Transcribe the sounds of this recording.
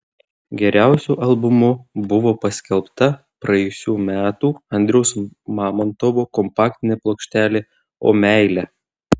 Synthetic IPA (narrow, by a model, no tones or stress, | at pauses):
ɡʲɛɾʲæˑʊsʲuːʔɐlˠbʊmʊbʊʋoːpɐsʲkʲɛlˠpt̪ɐ | pɾɐɛjʊsʲuːmʲæːt̪uːɐnʲd̪ʲɾʲɛʊsmɑːmɐnt̪ɔʋoːkɔmpɑːk̚t̪ʲɪnʲeːplˠoːkʃʲt̪ʲæːlʲeː | o̰ːmʲæˑɪlʲæ